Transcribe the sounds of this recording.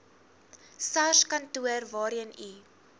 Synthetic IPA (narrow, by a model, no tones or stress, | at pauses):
sɐskɐntuərvɑːɾiəni